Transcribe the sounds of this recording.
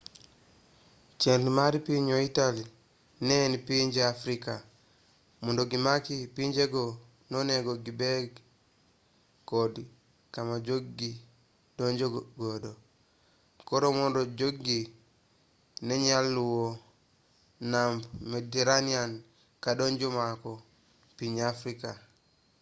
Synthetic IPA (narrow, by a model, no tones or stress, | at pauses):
t͡ʃenlumaɾipiɲoitali | nenipiɲd͡ʒeafɾika | mundoɡimakipind͡ʒeɡo | noneɡoɡibeɡ | kodi | kamad͡ʒoɡːi | doɲd͡ʒoɡodo | koɾomondod͡ʒoɡi | neɲalːuwo | nambmeteɾanian | kadoɲd͡ʒomako | piɲafɾika